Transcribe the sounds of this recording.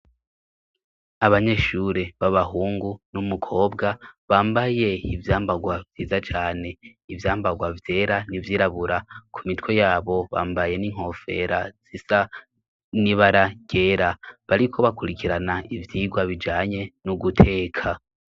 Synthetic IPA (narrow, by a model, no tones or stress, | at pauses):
aβaɲe̞ʃuɾe̞βaβaɦuːŋɡunumukʰo̞ːbɡaβaːmbaje̞ivjaːmbaɡwavjiːzat͡ʃaːne̞ivjaːmbaɡwavje̞ːɾanivjiːɾaβuɾakʰumitwe̞jaːβo̞βa̰ːmbaje̞niŋ̥ho̞fe̞̰ɾaz̥isa | niβaɾaɟ̥e̞ɾaβaɾikʰo̞βakuɾikiɾanaivjiːɡwaβid͡ʒaːɲe̞nuɡutʰe̞ːkʰa